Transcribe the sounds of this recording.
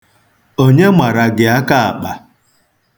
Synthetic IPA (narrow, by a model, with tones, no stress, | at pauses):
o˦ɲe˦mʷa˨ɾa˨ɡɪ˨a˦ka˦a̰˨k͡pa˨